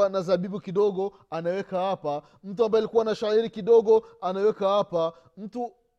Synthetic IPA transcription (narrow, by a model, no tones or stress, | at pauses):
anazaɓiɓukiɗɔɠɔ | anawɛkahapa | m̩tuambaɛalikuwanaʃaiɾikiɗɔɠɔanawɛkahapa | m̩tu